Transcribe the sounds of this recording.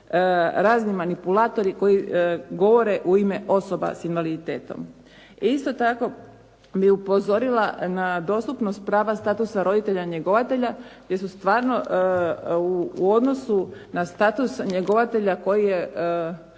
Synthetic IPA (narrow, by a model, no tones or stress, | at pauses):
ɾaːznimanipulaːt̪o̞ɾiko̞jiɡo̞ʋo̞ɾe̞ʔuimeʔo̞so̞ba̰sinʋalit̪eːt̪o̞̰m | ist̪o̞t̪ako̞ | biupo̞zo̞ɾilanad̪o̞st̪upnost̪̚pɾaːʋast̪aːt̪usaɾo̞d̪it̪e̞ʎaɲe̞ɡo̞ʋat̪e̞ʎaɡd̪je̞sust̪ʋaːɾno̞ | uo̞d̪no̞sunast̪aːt̪usɲeɡo̞ʋat̪e̞ʎako̞jije